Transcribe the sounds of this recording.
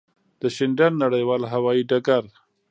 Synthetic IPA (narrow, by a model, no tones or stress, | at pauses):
d̪̥əʃɪɳɖanːaɽajwɑlɦawɑiɖaɡaɾ